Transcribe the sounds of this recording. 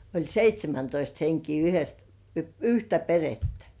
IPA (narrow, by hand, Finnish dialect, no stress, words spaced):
olʲ seitʲsʲemæntoist heŋkiː yhes yhtæ peretːæ̥